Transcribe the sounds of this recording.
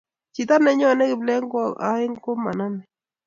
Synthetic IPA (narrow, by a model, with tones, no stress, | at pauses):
t͡ʃi˨t̪a˦nɛ˨˦ɲɔ˦˨nɛ˦kɪ˨blɛ˦ŋɡɔ˦˨a̰˦ɪ˦ŋko˦ma̰˨na˦nɛ˨